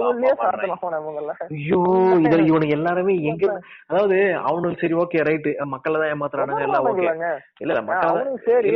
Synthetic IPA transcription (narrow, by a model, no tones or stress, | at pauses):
lːsaɐŋɡɐjoːɪðɐɪʋɐɳɯɛlːaːɾɐmeːɛŋɡɐɾɐðaːʋɐðɯɐ̰ʋɐnɯlsɐɾioːkeːɾɐɪʈːɯmɐkːɐɭt̪ãːẽːmaːt̪ɯɾɐ̃ːnaːŋɡɐɛlːãːoːkeɡ | ɪlːɐl̰ːmɐkːɐɭt̪ãɐɾɪlː